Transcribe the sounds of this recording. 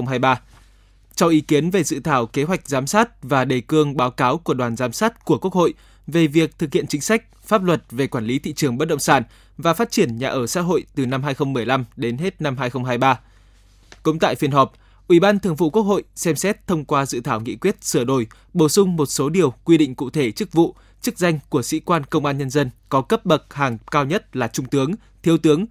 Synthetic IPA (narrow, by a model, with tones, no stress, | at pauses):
wŋ͡mɦaː˧jɓaː˧ | t͡ɕɔ˧wʔi˨˦ki˨˦ənve˨˩zɨ̰˧˨t̪ʰaː˧˩wke˨˦ɦwa˨˩jk̟̚zaː˨˦msaː˦˥t̚vaː˨˩ɗe˨˩kɨ˧əŋɓaː˨˦wkaː˨˦wku˧˩əɗwaː˨˩nzaː˨˦msaː˦˥t̚ku˧˩əku˦˥ək̚ho̰˧˨j | ve˨˩vi˨˩ək̚t̪ʰɨ˨˩k̚hi˧˨ənt͡ɕï˨˦ŋ̟sa˦˥k̟̚ | faː˦˥p̚lwə˨˩t̚ve˨˩kwaː˧˩nli˨˦t̪ʰḭ˧˨t͡ɕɨ˨˩əŋɓə˦˥ɗə̰˧˨ŋ͡msaː˧˩n | vaː˨˩faː˦˥t̚t͡ɕi˧˩ənɲa̰ː˧˨ʔəː˧˩sa̰ː˧˥ɦo̰˧˨jt̪ɨ˨˩na˧mɦaː˧jxə˧wŋ͡mmɨ˨˩əjla˧mɗe˨˦nɦe˦˥t̚na˧mɦaː˧jxə˧wŋ͡mɦaː˧jɓaː˧ | kʊ̰˧˥ŋ͡mt̪a̰ː˧˨jfi˧˩ənɦɔ˨˩p̚ | ʔwi˧˩ɓaː˧nt̪ʰɨ˨˩əŋvṵ˧˨ku˦˥ək̚ho̰˧˨jsɛ˧msɛ˦˥t̚t̪ʰə˧wŋ͡mkwaː˧zɨ̰˧˨t̪ʰaː˧˩wŋḭ˧˥˨kwi˦˥ət̚sɨ˧˩əɗo˧˩j | ɓo˧˩sʊ˧ŋ͡mmo˨˩t̚so˨˦ɗi˨˩əwkwi˧ɗḭ̈˧˨ŋ̟kṵ˧˨t̪ʰe˧˩t͡ɕɨ˦˥k̚vṵ˧˨ | t͡ɕɨ˦˥k̚za˧jŋ̟ku˧˩əsḭ˧˥kwaː˧nkə˧wŋ͡mʔaː˧nɲə˧nzə˧nkɔ˨˦kə˦˥p̚ɓə˨˩t̚haː˨˩ŋkaː˧wɲə˦˥t̚laː˨˩t͡ɕʊ˧ŋ͡mt̪ɨ˨˦əŋ | t̪ʰi˨˦əwt̪ɨ˨˦əŋ